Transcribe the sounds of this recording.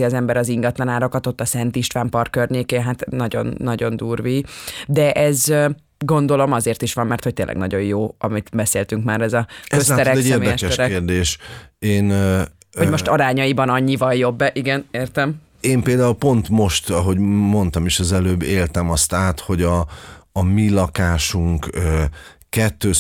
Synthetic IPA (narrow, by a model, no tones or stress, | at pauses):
iɒzɛmbɛɾɒziŋɡɒt̪lɒnaːɾokɒt̪o̞t̪ːɒsɛnt̪iʃt̪ʋaːmpɒrkørɲeːkeːɦat̪nɒɟo̞̰nːɒɟo̞nd̪uːrviːd̪ɛʔɛz | ɡo̞nd̪o̞lo̞mɒzeːrt̪iʃʋɒmːɛrt̪ho̞c̚t̪eːnlːʔɡnɒ̰ɟo̞jjoːɒmit̪bɛseːlt̪yŋkmaːɾɛzɒzaɛɾɛkɛeːmeːɛɛʃɛʃɾeːrd̪eːʃeːn | homo̞ʃt̪ɒɾaːɲɒjibɒnɒɲːivɒjjo̞bːɛʔiɡɛneːrt̪ɛm | eːmpeːld̪aːulpo̞nt̪mo̞ʃt̪ɒɦo̞ɟmo̞nt̪ɒmeʃɛzɛløːbːeːlt̪ɛmɒst̪aːt̪ho̞ɟɒː | milɒkaːʃuŋkøkɛt̪ːøː